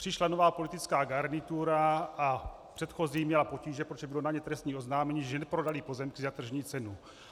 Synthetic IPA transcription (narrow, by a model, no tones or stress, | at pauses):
pr̥ɪʃlanovaːpo̞lit̪it͡skaːɡaɾnɪt̪uɾaʔa | pr̥ɛt̪xo̞ziːmɲɛlapo̞ciːʒɛpɾot̪ʒɛbɪlo̞naɲɛt̪ɾɛst̪ɲiːʔo̞znaːmɛɲiːʒɛnɛpɾo̞dalipo̞zɛmkɪzat̪r̩ʒɲiːt͡sɛnu